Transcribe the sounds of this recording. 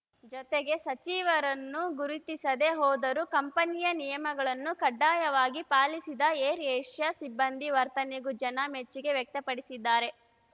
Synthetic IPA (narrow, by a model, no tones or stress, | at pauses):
d͡ʒɔt̪eɡe̞sɐt͡ʃiːʋɐɾɐnːuɡuɾit̪isɐd̪e̞ɦɔːd̪ɐɾukɐmpɐnijɐnijɐmɐɡɐɭɐnːukɐɖːaːjɐʋaːɡipaːlisid̪ɐeːɾeːʂjɐsibːɐnd̪iʋɐɾt̪ɐneɡud͡ʒɐnɐmet͡ʃːiɡe̞ʋjɛk̚t̪ɐpɐɽisid̪ːaːɾe̞